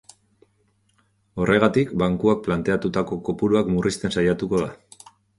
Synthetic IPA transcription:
o̞rʔe̞ɣ̞at̪ikbaŋkuak̚plant̪e̞at̪ut̪ako̞kopuɾuakmurist̪e̞nsajat̪uko̞ða

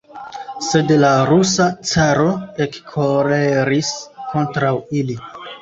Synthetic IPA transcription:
se̞dlaɾusat͡saɾo̞ekkʰoɾeɾiskʰo̞ntɾawili

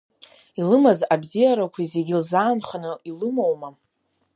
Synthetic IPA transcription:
ilɨmazabzijaɾakʷʰizeɡʲilzaːnχanɨilɨmowma

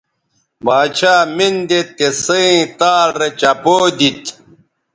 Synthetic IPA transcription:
baːt͡ɕʰaːmind̪et̪ːesɐĩt̪aːɾet͡ɕɐpoːd̪it̪

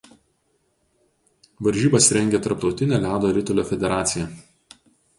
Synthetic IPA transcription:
ʋɐɾʲʒʲiːbɐsɾʲɛŋʲɡʲet̪ɐɾp̚t̪ɒʊt̪ʲɪnʲeːlʲɑːd̪oːɾʲɪt̪ɔlʲoːfʲɛd̪ʲɛɾɑːt̪sʲɪjɛ

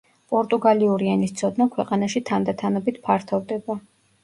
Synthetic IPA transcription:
pʼɔɾt̪ʼuɡaliuɾianist̪sʰɔd̪nakʰwɛqʼanaʃit̪ʰand̪at̪ʰanɔbit̪ʰpʰaɾt̪ʰɔvd̪ɛba

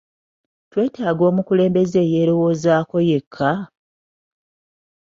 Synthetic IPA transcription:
twe̞ːtaːɡo̞ːmukule̞ːmbe̞ze̞ːje̞ːɾo̞wo̞ːzaːko̞je̞kʰːa

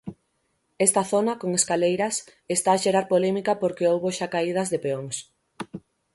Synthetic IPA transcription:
est̪ɐθonɐkoŋeskalejɾɐsest̪aːʃeɾaɾpolemikɐpoɾkeowβoʃakaið̞ɐzðepeoŋs

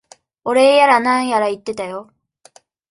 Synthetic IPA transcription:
o̞ɾe̞ːjaɾanãɰ̃jaɾait̪ːe̞t̪ajo̞

